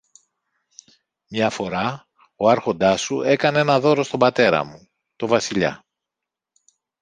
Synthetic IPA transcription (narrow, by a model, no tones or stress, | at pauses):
mɲɐfo̞ɾɐ | oɐɾxo̞nd̪ɐsue̞kɐnee̞nɐðo̞ɾo̞st̪o̞mbɐt̪e̞ɾɐ̰mu | t̪o̞vɐsiʎɐ̰